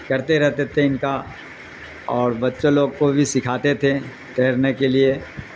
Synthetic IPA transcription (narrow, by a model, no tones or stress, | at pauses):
kɐɾt̪eɾɛɦt̪et̪ʰeɪnka | ɔːɾbɐtːʃõloːɡ̚kobʱisɪkʰaːt̪et̪ʰe | t̪eːɾnekelie